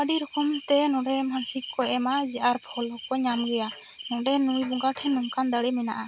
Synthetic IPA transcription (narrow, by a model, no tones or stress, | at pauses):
aɖiɾɔkɔmt̪ɛnɔ̃ɖɛmansikːɔʔɛmad͡ʒɛʔaɾpʰɔlɔkɔɲamɡɛja | nɔ̃ɖɛnujbɔŋɡaʈʰɛnɔŋkand̪əɽɛmɛna̰ʔa